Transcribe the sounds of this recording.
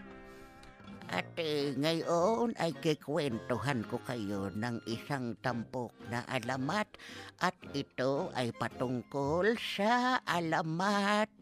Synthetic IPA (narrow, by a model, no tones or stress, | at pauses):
ʔa̰t̪iŋajʔonʔajkikwent̪oɦankʊkajonaŋisaŋt̪ampok̚naʔa̰lamat̪ʔat̪it̪oajpat̪ʊŋkolsaʔalamat̪̚